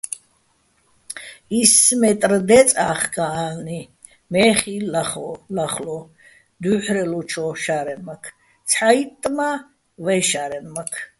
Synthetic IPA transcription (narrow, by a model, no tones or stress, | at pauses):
ismɛt̪ʼrd̪ɛt͡sʼaːχɡaalni | mɛːχilaχɔlaχlɔ | d̪uħɾɛlɔt͡ʃʰɔʃaɾɛnmakʰ | t͡sʰħajt̪ʼːma | vɛʃaɾɛnmakʰ